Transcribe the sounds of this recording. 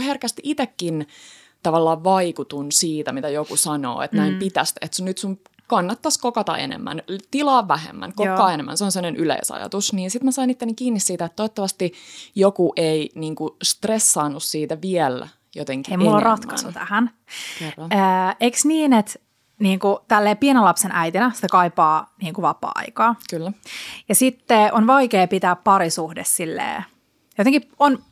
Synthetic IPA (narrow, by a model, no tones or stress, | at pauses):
herkæst̪iit̪ekːin | t̪ɑʋɑlːɑːʋʋɑikut̪unsiːt̪æmit̪æjokusɑno̰ːḛt̪næimpit̪æst̪et̪sunnyt̪sum | kɑnːɑt̪ːɑskokɑt̪ɑ̰ʔḛnḛmːæ̰nt̪ilɑːʋʋæhḛmːæ̰nkokkːɑːenemːæ̰nseonsemːonenʔylḛisɑ̰jɑ̰t̪usniːnsit̪mæsɑinit̪ːenːikiːnːissiːt̪æet̪t̪ːojot̪ːɑʋɑst̪ijokuʔeiniːŋkust̪resːɑːnːussiːt̪æʋielːæ̰ | jot̪eŋkiejmullːorɑt̪ːɑst̪ut̪æ̰hæn | kerːɑnəeksniːnet̪ | niːŋkut̪ælːeːpienelɑpsenʔæjt̪inæsi̥t̪ækɑipɑːniːŋkuʋɑpːˑɑ̰ːɑ̰ikɑːkylːæjɑsit̪ːeonʋɑikeːpit̪æːppɑɾisuhdessilːḛː | jot̪eŋkion